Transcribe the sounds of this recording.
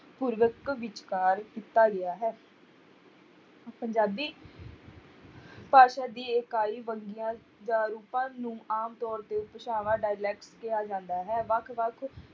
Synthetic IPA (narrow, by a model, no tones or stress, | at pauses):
puːɾʋəkʋɪt͡ʃkaːɾkit̪ːaːɡɪaːɦɛː | pəɲd͡ʒaːbiː | paːʃaːd̪iːɪkaːiːʋəŋɡɪjãː | d͡ʒãːɾuːpãːnũːʔaːmt̪ɔːɾt̪eːʊpəʃaːʋãːɖaːjlɛːkʈskɪjaːd͡ʒãːnd̪aːɦɛːʋəkʰʋəkʰ